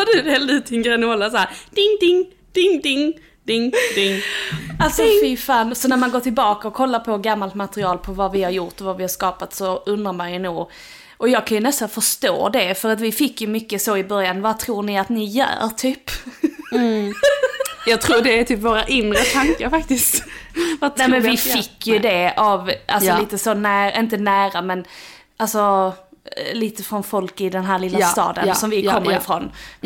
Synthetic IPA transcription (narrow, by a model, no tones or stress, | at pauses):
d̪ɛdɛld̪ɪt̪ʰɪŋɡɾɛnɔːlːas̬aæːɾd̪̥ɪŋd̪ɪŋ | d̪̥ɪŋd̪ɪŋ | d̪ɪŋd̪ɪŋalsɔfɪfɑːnsɔnæɾmanɡoːʈ̪ɪlbɑːkaɔkʰɔlːaɾpʰɔɡamːalt̪mat̪ɾɪɑːlpʰɔvavɪhaɾjʊʈ̪ɔvavɪhaɾʂkɑːpat̪sɔɵnɾaɾmanjɵnuːɡ | ʔɔjɑːɡ̚kʰanjɵnɛst̪anfœʂt̪o̰ːd̪ɛfœɾat̪vɪfɪkːjɵmʏkːəsoɪbœɾjanvat̪ʰɾuːɳɪat̪nɪjœ̰ːɾʈʰyːp | jɑːɡt̪ʰɾuːdɛːt̪ʰyːpvoːɾaʔɪnɾət̪ʰaŋkaɾfak̚t̪ɪst̪vanɛːmɛnvɪfɪkːjɵd̪ɛavʔalsɔlliːt̪əsɔnæːɾɪnt̪ənæːɾamɛn | ʔalsɔ | liːt̪əfɾɔnfɔlkɪd̪ɛnɦæːɾlɪlːast̪ɑ̰ːd̪ə̰nsɔmvɪkʰɔmːəɾɪfɾɔn